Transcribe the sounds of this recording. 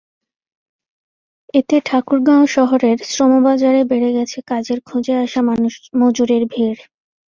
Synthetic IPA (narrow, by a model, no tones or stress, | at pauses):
et̪eʈʰakuɾɡãoʃɔɦoɾeɾsɾomobad͡ʑaɾebeɽeɡɛt͡ɕʰekad͡ʑeɾkʰud͡ʑeaʃamamod͡ʑuɾeɾbʱiɾ